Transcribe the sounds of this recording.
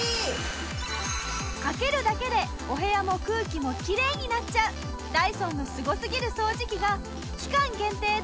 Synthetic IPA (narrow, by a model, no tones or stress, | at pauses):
kake̞ɾɯ̟d̪ake̞d̪e̞ | o̞ɦe̞jamo̞kɯ̟ːkʲimo̞kʲiɾe̞ːɲ̟inat͡ɕaɯ̟ | d̪̥aisõ̞nːo̞sɨɡo̞sɨɡʲiɾɯ̟so̞ːʑikʲiɡa | kʲi̥kãŋɡẽ̞nt̪e̞ː